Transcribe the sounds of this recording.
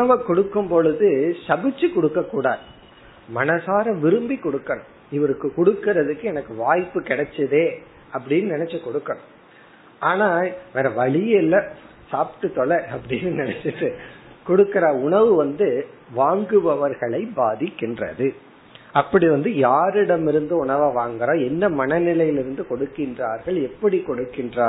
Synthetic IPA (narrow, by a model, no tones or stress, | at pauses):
ʊɳɐʋɐkɔɽɯkːɯmpɔɻɯðɯsɐbɪt͡ʃːɯkɔɽɯkːɐkːuːɽa̰ːð | mɐnɐsaːɾɐ̃mʋɪɾɯmbikɔɽɯkːɐɳɯm | ɪʋɐɾɯkːɯkɔɽɯkːɪɾɐðɯkːɯɛnɐkːɯʋaːjpːɯkɪɽɛt͡ʃːɐðeː | ɐpːɐɽɪnːɯnɪnɛt͡ʃːɐkɔɽɯkːɐɳʊ̃m | ʔaːnaːʋɛːɾɐʋɐɭɪjɪlːɐ | saːpʈːɯt̪ːɔɭːɐɐpːɐɽɪnːɯnɪnɛt͡ʃːɯʈːɯkɔɽɯkːɪɾɐʊɳɐʋɯʋɐnd̪ɯ | ʋaːŋɡɯʋɐʋɐɾɣɐɭɐɪbaːðɪkːɪndrɐ̰ðɯ | ɐpːɐɽiʋɐnd̪ɯjaːɾɪɽɐmɪɾɯnd̪ɯʊɳɐʋaːʋaːŋɡɐɾãːɛnːɐmɐnɐnɪlɐjɪlɪɾɯnd̪ɯkɔɽɯkːɪndraːɾɣɐɭɛpːɐɽikɔɽɯkːɪndraː